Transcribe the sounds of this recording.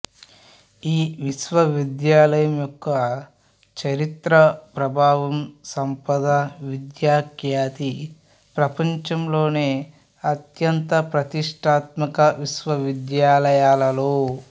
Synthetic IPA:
iːʋiʃʋɐʋid̪jaːlɐjɐmjɔkːɐ | t͡ʃɐɾit̪ɾɐpɾɐbʱaːʋɐmsɐmpɐd̪ɐʋid̪jaːkjaːt̪i | pɾɐpɐɲt͡ʃɐmloːneː | ɐt̪jɐnt̪ɐpɾɐt̪iʂʈʰaːt̪mɐkɐʋiʃʋɐʋid̪jaːlɐjaːlɐloː

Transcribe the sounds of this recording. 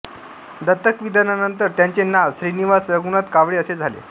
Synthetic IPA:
d̪ət̪ːəkʋid̪ʱananənt̪əɾt̪jaɲt͡ɕenaʋɕɾiniʋasɾəɡunat̪kaʋɽeəsed͡zʱalḛ

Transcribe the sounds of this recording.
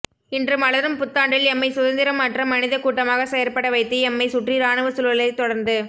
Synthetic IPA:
ɪndrɯmɐɭɐɾɯmpʊt̪ːaːɳɖɪlɛmːɐɪsʊðɐnd̪ɪɾɐmːaːʈrɐmɐnɪðɐkuːʈːɐmaːɣɐsɛjɐɾpɐɽɐʋɐɪt̪ːɯɛmːɐɪsʊʈriɾaːɳɯʋɯsʊlɐlɐɪt̪ːɔɽɐɾnd̪ɯ

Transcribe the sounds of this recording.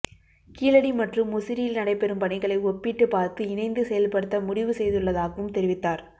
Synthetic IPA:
kiːlɐɽimɐʈrɯmʊsɪɾɪjɪlnɐɽɐɪpɛɾɯmpɐɳɪɣɐɭɐɪɔpːɪʈːɯpaːɾt̪ɯɪnɐɪnd̪ɯsɛjɐlpɐɽɯt̪ːɐmʊɽɪʋɯsɛjðɯɭːɐðaːɣɐʋɯmt̪ɛɾɪʋɪt̪ːaːɾ

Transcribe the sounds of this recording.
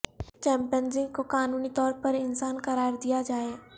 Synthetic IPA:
t͡ʃɛ̃ːmpijənzɪ̃ŋɡkokaːnuːnit̪ɔːɾpɐɾɪnsaːnkɐɾaːɾd̪ijad͡ʒaːeː

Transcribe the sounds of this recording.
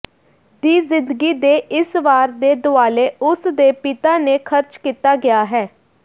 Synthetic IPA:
d̪iːzɪ̃nd̪əɡiːd̪eːʔɪsʋaːɾd̪eːd̪ʊaːleːʊsd̪eːpɪt̪aːneːkʰəɾt͡ʃkiːt̪aːɡɪjaːɦɛː

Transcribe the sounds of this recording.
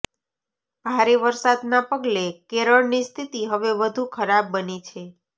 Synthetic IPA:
b̥ʱaɾeʋəɾsad̪napəɡlekeɾəɭnist̪ʰit̪iɦəʋeʋəd̪ʱũkʰəɾabːənit͡ʃʰe

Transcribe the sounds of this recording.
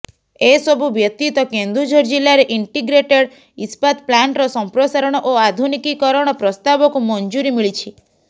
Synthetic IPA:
esɔbʱubjɔt̪it̪ɔkend̪ɾud͡ʒoɾd͡ʒilːaɾeʔiɳʈiɡɾeʈeɽ | ispat̪̚plaɳʈɾɔsɔmpɾosaɾɔɽ̃ɔʔoad̪ʱunikikɔɾɔɽ̃ɔpɾɔst̪abɔkumɔnd͡ʒuɾimiɭit͡ʃʰi

